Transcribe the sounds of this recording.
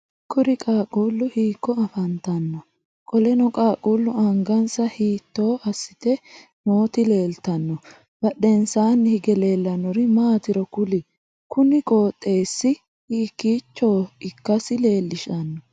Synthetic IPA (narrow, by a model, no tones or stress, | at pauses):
kʊɾɪkʼaːkʼuːlːʊhiːkːɔɐfɐnt̪ɐnːɔ | kʼɔlɛnɔkʼaːkʼuːlːʊɐŋɡɐnsɐhiːt̪ːo̞ːʔɐsːɪt̪ɛ | noːt̪ɪle̞ːlt̪ɐnːɔ | b̥ɐɗɛnsaːnːhɪɡɛle̞ːlːɐnɔɾɪmaːt̪ɪɾɔkʊlɪ | kʊnɪkʼo̞ːt̪ʼːe̞ːsːɪ | hiːkːiːt͡ʃːoːɪkːɐsɪle̞ːlːɪʃɐnːɔ